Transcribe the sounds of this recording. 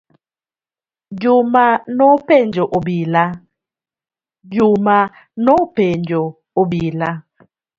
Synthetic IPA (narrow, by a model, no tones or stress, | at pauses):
d͡ʒumanopɛnd͡ʒɔʔobila | d͡ʒuma | nopɛnd͡ʒɔ | obila